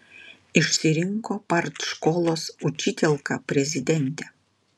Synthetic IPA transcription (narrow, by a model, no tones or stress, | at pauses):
ɪʃʲsʲɪɾʲɪŋkoːpɐɾt̪ʃkoːlˠoːsʊt͡ʃʲit̪ʲɛlˠkɐpʲɾʲɛzʲɪd̪ʲɛnʲt̪ʲɛ